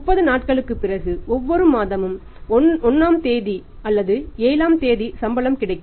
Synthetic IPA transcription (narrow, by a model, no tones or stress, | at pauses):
mʊpːɐðɯnaːʈ̚kɐɭɯkːɯpːɪrɐɣɯɔʋːɔɾɯmaːðɐmɯm | ɔnɔnːaːmt̪eːði | ɐlːɐðɯeːlaːmt̪eːðisɐmbɐlɐmkɪɽɐɪkː